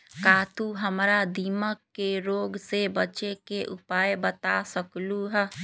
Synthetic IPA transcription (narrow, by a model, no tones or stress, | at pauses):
kaːt̪uɦəmɾad̪iːməkːeɾoːɡsebət͡ʃekeʔʊpaːjbət̪asəkluɦɛ